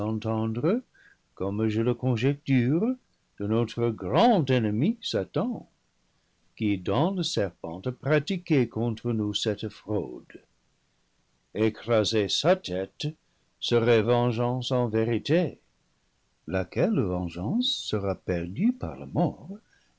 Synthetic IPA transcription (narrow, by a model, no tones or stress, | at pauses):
ɑ̃t̪ɑ̃d̪ʁə | kɔmʒələkɔ̃ʒɛk̚tyʁ | d̪̥ənotχəɡrɑ̃dɛnəmisatɑ̃ | kidɑ̃ləsɛʁpɑ̰̃tapʁatikekɔ̃t̪χənusɛtfro̰d | ekrazesatʰɛt | səʁɛvɑ̃ʒɑ̃sɑ̃veʁite | lakɛlvɑ̃ʒɑ̃ssəʁapɛʁdypa̰ʁlə̰mɔʁ